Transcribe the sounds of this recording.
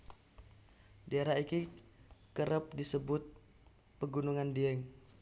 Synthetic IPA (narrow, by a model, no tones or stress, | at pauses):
daeɾaikikəɾəp̚disəbʊt̪̚ | pəɡunuŋandiɛŋ